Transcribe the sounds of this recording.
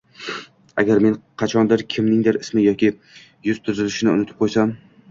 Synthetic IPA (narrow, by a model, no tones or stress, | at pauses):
a̰ɡʲaɾme̞nqʰɑt͡ʃʰɒnd̪ɪɾkʲʰɪmnɪŋd̪ɪɾɪsmɪjɒkʲɪ | jʊz̥t̪ʰʊzɪlɪʃɪnɪʊ̰nɪt̪ʰɪp̚qʰojsam